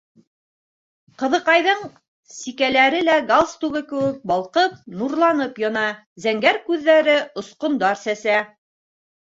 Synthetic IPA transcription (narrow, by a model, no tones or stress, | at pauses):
qɤ̆ðɤ̆qɑjðɤɴ | sikælæɾɘlæɡalˠst̪uɡɘkɘ̆wɘk̚bɑlˠqɤp̚nuɾlˠɑnɤpjɤ̆nɑ | zæŋɡæɾkʉðːæɾɘŏsqŏnd̪ɑɾsæsæ